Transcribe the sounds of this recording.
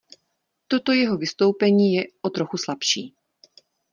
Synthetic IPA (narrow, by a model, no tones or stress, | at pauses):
t̪o̞t̪o̞jɛɦo̞vɪst̪o̞wpɛɲiːjɛʔot̪ɾo̞xuslapʃiː